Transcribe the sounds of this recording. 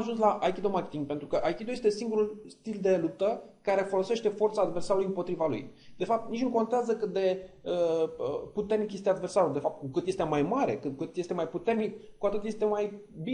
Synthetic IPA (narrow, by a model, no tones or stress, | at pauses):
maʒunslaʔajkid̪omarkʲet̪iŋɡ̚pe̞nt̪ɾukəʔajkʲid̪ojest̪e̞siŋɡuɾulst̪ild̪e̞ːlup̚t̪əkaɾe̞fo̞lo̞se̞ʃt̪e̞fo̞rt̪saːd̪ve̞rsaɾulujimpo̞t̪ɾivalṵjd̪e̞fap̚t̪nit͡ʃnuko̞nt̪eazəkɨt̪̚d̪e̞əəput̪e̞rnikje̞st̪ead̪ve̞rsaɾuld̪e̞fap̚t̪kukɨt̪je̞st̪emajmaɾe̞̰kɨkɨt̪je̞st̪e̞majput̪e̞rnik̚kːuat̪ɨt̪je̞st̪e̞maj | bi